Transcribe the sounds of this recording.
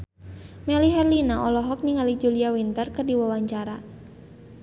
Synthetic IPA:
mɛliɦɛrlinaʔɔlɔɦɔk̚niŋalid͡ʒuliawint̪ərkərdiwawaɲt͡ʃaɾa

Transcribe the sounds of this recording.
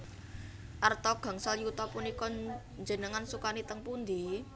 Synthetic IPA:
ʔart̪ɔɡ̥ä̤ŋsaljut̪ɔpunikɔ | ɲd͡ʒənəŋansukanit̪əŋpund̪i

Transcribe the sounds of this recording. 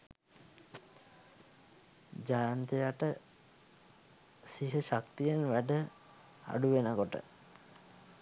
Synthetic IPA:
d͡ʒajant̪ejaʈə | siɦəʃak̚t̪ijenʋæɖə | a̰ɖuʋenəkoʈə̰

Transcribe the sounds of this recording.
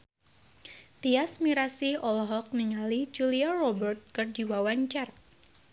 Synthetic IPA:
t̪iasmiɾasiɔlɦɔk̚niŋalid͡ʒuliarɔbərt̪̚kərd͡ʒiwawant͡ʃar̚

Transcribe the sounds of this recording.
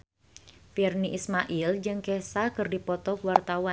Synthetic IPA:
firniʔismaʔild͡ʒɨŋkɛsakɨrdipɔt̪ɔkwart̪awa

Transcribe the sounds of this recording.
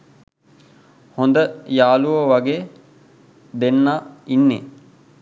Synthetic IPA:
hond̪əjaːluʋəʋaɡeː | d̪enːaːinːḛ

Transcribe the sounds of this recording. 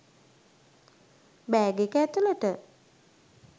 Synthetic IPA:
bɛːɡekæt̪uləʈə

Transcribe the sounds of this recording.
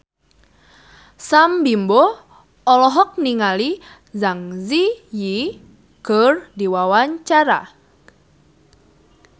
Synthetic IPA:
sambimbɔ | ɔlɔɦɔk̚niŋali | zaŋziji | kərdiwawaɲt͡ʃaɾa

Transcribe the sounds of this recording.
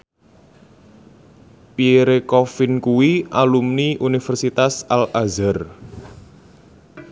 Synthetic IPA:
piɾekɔfinkuwiʔalumniʔunifɛrsit̪asalʔazər

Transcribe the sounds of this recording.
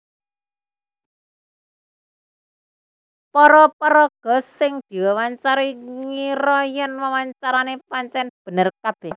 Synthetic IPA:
pɔɾɔpɔɾɔɡ̥ɔ̤sːɪŋd̪̥i̤wewaɲt͡ʃaɾiŋiɾɔjɛnwawaɲt͡ʃaɾanepaɲt͡ʃɛnb̥ə̤nərkab̥ɛh

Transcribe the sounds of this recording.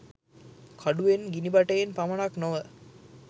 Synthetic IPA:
kʰɐɖuʋenɡinibɐʈɐjenpɐmɐnaknoʋə

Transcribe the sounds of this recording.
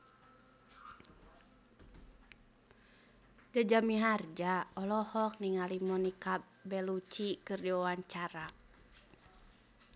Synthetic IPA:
d͡ʒad͡ʒamiɦard͡ʒaɔlɔhɔk̚niŋalimɔnika | bɛlut͡ʃikɨrdiwawaɲt͡ʃaɾa

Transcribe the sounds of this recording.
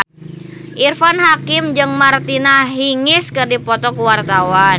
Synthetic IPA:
ʔirfanɦakɪmd͡ʒɨŋmart̪inaɦiŋɪskɨrdipɔt̪ɔkuwart̪awan

